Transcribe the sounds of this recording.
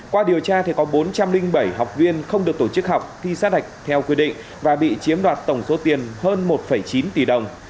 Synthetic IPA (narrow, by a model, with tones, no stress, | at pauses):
kwaː˧ɗi˨˩əwt͡ɕaː˧t̪ʰi˨˩kɔ˨˦ɓo˨˦nt͡ɕa˧mlï˧ŋɓə˧˩jɦa˨˩wk͡p̚vi˧ənxə˧wŋ͡mɗɨ˨˩ək̚t̪o˧˩t͡ɕɨ˦˥k̚ɦa˨˩wk͡p̚t̪ʰi˧saː˦˥ɗa˨˩jk̟̚t̪ʰɛ˧wkwi˧ɗḭ˧˨ŋ | vaː˨˩ɓḭ˧˨t͡ɕi˨˦əmɗwaː˨˩t̚t̪ə˧˩wŋ͡mso˨˦t̪i˨˩ənhəː˧nmo˨˩t̚fə˧˩jt͡ɕi˨˦nt̪i˨˩ɗə˨˩wŋ͡m